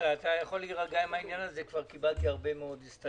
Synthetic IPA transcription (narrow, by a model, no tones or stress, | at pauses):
aːt̪ajaχo̞liʁaɡaimainjanazekvaʁkibalt̪iaʁbe̞meo̞d̪istta